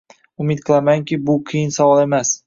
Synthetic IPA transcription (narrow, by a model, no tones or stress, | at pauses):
ʊmɪt̪̚qʰɨlˠamaŋkʲʰɪbʊqʰijɪnsawɒlˠe̞mas